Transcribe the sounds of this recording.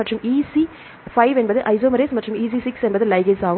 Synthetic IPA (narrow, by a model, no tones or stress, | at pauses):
ɐʈrɯmiːsi | fɐɪʋɛnbɐðɯʔɐɪsoːmɐɾeːsmɐʈːrɯmiːs̬isɪksɛnbɐðɯlɐɪɡesaːʋ